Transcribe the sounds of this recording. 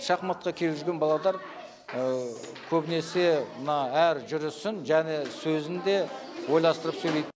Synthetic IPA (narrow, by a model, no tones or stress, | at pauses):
ʃɑqmɑt̪̚qɑkʲʰe̞lʒʏɾɡʲenbɑlˠɑd̪ˠɑɾ | ə | kʲʰɵbɪne̞se̞mənɑæɾʒʏɾɪsɪnʒæne̞sɵzɪnd̪e̞ | wo̞jlˠɑst̪əɾəpsɵlejd̪